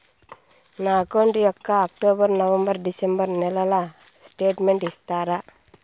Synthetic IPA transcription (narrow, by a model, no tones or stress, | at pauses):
naːkoːɳʈijɔkːɐːk̚ʈoːbɐɾnɐʋɐmbɐɾɖisembɐɾnɛlɐlɐ | sʈeːʈmeɳʈist̪aːɾa